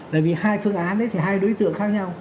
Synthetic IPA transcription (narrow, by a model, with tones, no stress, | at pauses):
aː˨jvi˨˩haː˧jfɨ˧əŋʔaː˨˦nɗə˨˦jt̪ʰi˨˩ɦaː˧jɗo˨˦jt̪ɨ̰˧˨əŋxaː˦˥k̚ɲa˧w